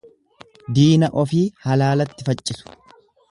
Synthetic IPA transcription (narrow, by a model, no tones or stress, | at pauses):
d̪iːnɐʔɔfiːhɐlaːlɐt̪ːɪfɐt͡ʃʼːɪsʊ̥